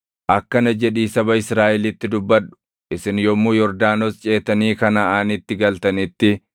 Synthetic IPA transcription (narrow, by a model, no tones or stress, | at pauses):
ʔɐkːɐnɐd͡ʒɛᶑiːsɐbɐɪsɾaːʔɛlɪt̪ːɪd̪ʊbːɐᶑʊ̥ | ʔɪsɪnjɔmːuːjɔɾd̪aːnɔst͡ʃʼe̞ːt̪ːɐniːkɐnɐaːnɪt̪ːɪɡɐlt̪ɐnɪt̪ːɪ